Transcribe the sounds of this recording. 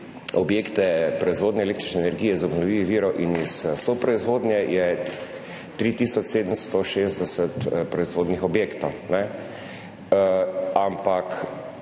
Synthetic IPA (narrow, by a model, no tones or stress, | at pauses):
ɔbjeːkt̪ɛpɾɔizʋoːd̪nɛlekt̪ɾi̥t͡ʃnɛnɛɾɡijɛzɔbnɔʋiːʋiʋiːɾɔʔinissopɾɔizʋoːd̪nʲjɛjɛ | t̪ɾit̪isɔt͡ʃseːd̪əmst̪ɔʃeːzd̪ɛsɛt̪pɾɔizʋoːd̪nixɔbjeːkt̪ɔnɛ | ampak